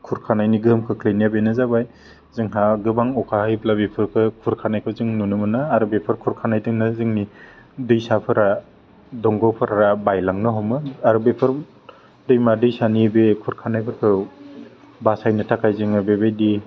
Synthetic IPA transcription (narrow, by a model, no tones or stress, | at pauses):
kʰuɾkʰanajniɡɯmkʰɯkʰlenijabenɯzabaj | zɯŋɦaɡɯbaŋɔkʰahajplabepʰɯɾkʰɯkʰuɾkʰanajkʰɯzɯŋnunɯmɯnɯaɾɯbepʰɯɾkʰuɾkʰanajdɯŋnɯzɯŋnidɯjsapʰɯɾa | dɔŋɡɔwpʰɯɾaɾabajlaŋnɯɦɔmɯaɾɯbepʰɯɾ | dɯjmadɯjsanibekʰuɾkʰanajpʰɯɾkʰɯ | basajnɯtʰakʰajzɯŋabebajdi